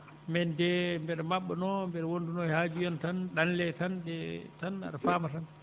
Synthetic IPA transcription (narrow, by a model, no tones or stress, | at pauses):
mɛndɛmbɛɗɛmaɓːɛnɔmbɛɗɛwondunɔɛhaːd͡ʒijɔntanɗanlɛtandɛtana̰ɗafaːmatan